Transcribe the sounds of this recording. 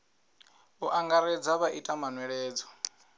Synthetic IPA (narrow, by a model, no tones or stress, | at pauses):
βuʔaŋɡaɾɛd͡zaβaʔitʼamanwɛɺɛːd͡zɔ̥